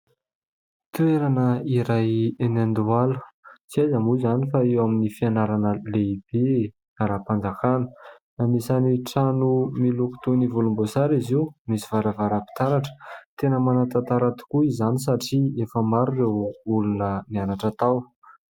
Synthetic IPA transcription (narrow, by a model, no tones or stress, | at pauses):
t̪ueɾanəiɾajenand̪ualu̥t͡siajzamuzanifaewaminifianaɾanəleib̥e | naɾapand͡zakanə̥ | namisaniʈ͡ʂanumiluku̥t̪univulumbosaɾiziumisiv̥aɾavaɾapi̥t̪aɾaʈ͡ʂə̥t̪enəmanat̪at̪aɾat̪u̥kuizanis̬aʈ͡ʂiefəmaɾurewulunənianaʈ͡ʂat̪aw